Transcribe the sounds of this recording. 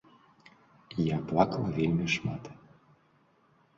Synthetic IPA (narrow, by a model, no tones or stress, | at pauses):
jɑplɑklˠɑvʲelʲmʲeʃmɑt̪